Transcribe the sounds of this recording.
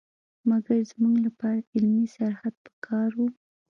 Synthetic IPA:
maɡaɾzmuɡlapɑɾaɪlmisaɾhad̪̚pə̥kʰɑɾwu

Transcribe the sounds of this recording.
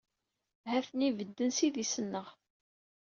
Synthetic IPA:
ɦæθənivəd̪ːənsiðisənːəʁ

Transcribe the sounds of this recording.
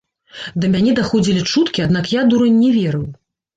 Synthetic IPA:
d̪ɐmʲanʲɛd̪axɔd͡zʲilʲit͡ʂut̪kʲiad̪nakjad̪uɾɨnʲːɛvʲeɾɨw

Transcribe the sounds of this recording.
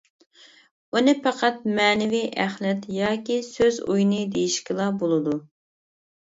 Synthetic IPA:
unɨpɑqʰɑt̪̚mɛːnɪviʔæχlɛt̪jɑːkʲisøzṵjnɨd̪ejiʃkʲɪlˠɑbolˠɨd̪u

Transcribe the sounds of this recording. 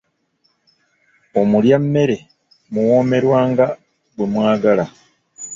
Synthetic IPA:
o̞muljamːe̞ɾe̞ | muwo̞ːme̞ɾwaːŋɡa | ɡwemwaːɡala

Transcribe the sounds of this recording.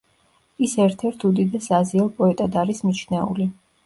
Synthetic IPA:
isɛɾt̪ʰɛɾt̪ʰud̪id̪ɛsaziɔpʼɔɛt̪ʼad̪aɾismit͡ʃʰnɛṵli

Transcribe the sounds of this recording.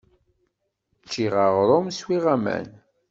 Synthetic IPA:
t͡ʃːiʁəʁɾˤomswiʁæmæ̰n

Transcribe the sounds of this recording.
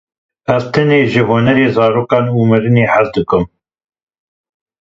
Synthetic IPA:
ʔɛzt̪ʰɛneːʒɨɦoːnɛɾeːzɑːɾoːkɑːnuːmɨɾɨneːhæzd̪ɨkɨm

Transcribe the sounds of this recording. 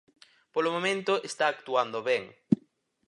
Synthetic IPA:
polomõmẽnt̪ʊʔest̪aːk̚t̪uand̪oβɛŋ

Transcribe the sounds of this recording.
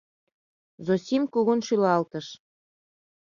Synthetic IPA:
zosʲimkuɣunʃylɑlt̪əʃ

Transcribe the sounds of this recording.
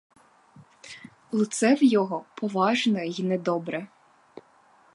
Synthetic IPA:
lˠʊt̪sɛwjɔɦɔpʰɔʋɑʒnɐinɛd̪ɔbɾɛ

